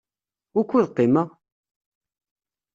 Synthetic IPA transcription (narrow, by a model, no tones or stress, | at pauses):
ʊkʷːuðqːɪməʁ